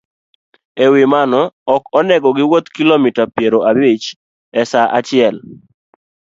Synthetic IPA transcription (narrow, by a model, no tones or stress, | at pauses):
ewɪmanɔɔkɔnɛɡɔɡɪwot̪kilomitapjeɾoʔabit͡ʃ | ɛsaʔat͡ʃɪɛl